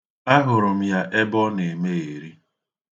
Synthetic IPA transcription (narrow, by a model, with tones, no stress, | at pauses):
a˦ɦʊ˨ɾʊ˨m̩˦ja˦ʔe˦bɔ˦ne˨me˦e˨ɾi˦